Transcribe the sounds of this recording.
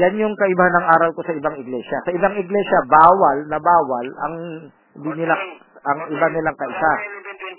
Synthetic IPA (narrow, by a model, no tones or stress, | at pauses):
janjʊŋkɐʔɪbahanɐŋʔaːɾɐlko̞sɐʔɪbaŋɪɡlɛːʃɐsɐʔɪbaŋɪɡlɛsjɐbaːwɐlnɐbaːwɐlɐ̰ŋ | hɪnd̪inɪla | ɐŋɪbanɪlaŋkɐʔɪsa